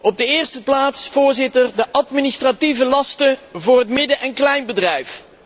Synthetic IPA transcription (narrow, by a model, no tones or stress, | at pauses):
ɔb̚dəɪːɹstəplaːtsfʊːɹzɪtərdəʔɑtministrativəlɑstəvʊːrɦətmɪdəʔɛnklɛjnbədrɛjf